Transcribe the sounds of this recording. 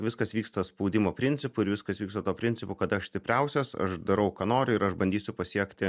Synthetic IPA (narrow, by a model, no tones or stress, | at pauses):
ʋʲɪskɐsʋʲiːkst̪ɐspɐʊd̪ʲɪmoːpʲɾʲɪnʲt͡s̪ʲɪpʊɪɾʋʲɪskɐsʋʲiːkst̪ɐt̪uːpʲɾʲɪnʲt͡s̪ʲɪpʊkɐt̪ɐʃsʲt̪ʲɪpʲɾʲɛʊsʲɛsɐ̰ʃd̪ɐɾɐʊkɑːnoːɾʲʊɪɾɐʃbɐnʲd̪ʲiːsʲʊpɐsʲiɛkt̪ʲɪ